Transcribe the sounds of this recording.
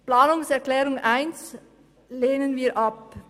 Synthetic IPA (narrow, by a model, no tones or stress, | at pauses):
plaːnʊŋsɛʁklɛːʁʊŋʔaɪns | leːnənviːɐʔɑp̚